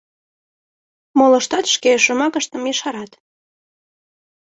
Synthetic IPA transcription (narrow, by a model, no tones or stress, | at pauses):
molə̆ʃt̪ɑt̪ʃkeʃomɑkəʃt̪əmjəʃɑɾɑt̪